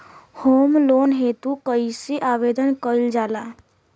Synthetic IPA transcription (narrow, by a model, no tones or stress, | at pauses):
hoːmloːnɦet̪ũkəisiʔaːʋed̪ənkəild͡ʒaːla